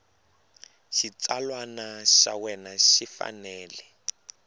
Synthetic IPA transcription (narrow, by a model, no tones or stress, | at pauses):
ʃit͡salwanaʃa̰wɛnaʃifa̰nɛːlɛ